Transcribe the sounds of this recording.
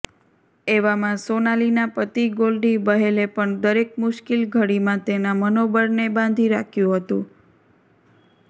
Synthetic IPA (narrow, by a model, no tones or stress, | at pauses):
eʋamãsonalinapət̪iɡolɖibəɦelepəɳd̪əɾek̚mʊʃkilɡʱəɽimãt̪enamənobəɾnebãnd̪ʱiɾakʰjũɦət̪ũ